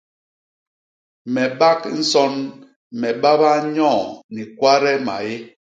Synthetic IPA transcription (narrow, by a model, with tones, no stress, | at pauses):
mɛ˨ba˦kn̩˦sɔ˦n | mɛ˨ɓa˦ba˦ɲɔ̃˦˨ni˨kwa˦ɾɛ˦ma̰˨e˦